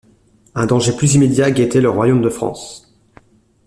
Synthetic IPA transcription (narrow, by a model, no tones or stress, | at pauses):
ɛ̃d̪ɑ̃ʒeplyzimed̪jaɡet̪ɛləʁwajomd̪əfχɑ̰̃s